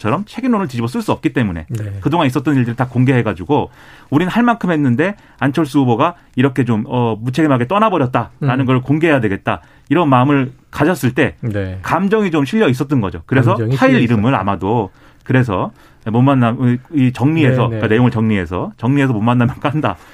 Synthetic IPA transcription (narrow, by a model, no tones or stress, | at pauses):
t͡ɕʰʌɾʌmt͡ɕʰe̞ɡimnonɯɭtid͡ʑibʌs͈ɯɭs͈uʌp̚k͈it͈e̞mune̞̰kɯdoŋanis͈ʌt͈ʌniɭdɯɾitakoŋɡe̞ɦe̞ɡad͡ʑuɡo | uɾinɯnhaɭmankʰɯmɦenːɯnde̞ | ant͡ɕʰʌɭs͈uuboɡa | iɾʌkʰe̞t͡ɕomʌmut͡ɕʰe̞ɡimɦaɡe̞t͈ʌnabʌɾjʌt̚t͈aɾanɯnɡʌɾɭkoŋɡeɦejadwe̞ɡe̞t̚t͈a̰ | iɾʌnmaɯmɯɭkad͡ʑʌs͈ɯɭt͈e̞kamd͡ʑʌŋit͡ɕomɕʰiʎjʌis͈ʌt͈ʌnɡʌd͡ʑo̰kɯɾe̞sʰʌt͡ɕʰaiɾiɾɯmɯɾa̰mado | kɯɾe̞sʰʌ | momanːaiit͡ɕʌŋɲie̞sʰʌkane̞joŋɯɭt͡ɕʌŋɲie̞sʰʌt͡ɕʌŋɲie̞s̬ʰʌmomːanːamjʌnk͈aɦanda̰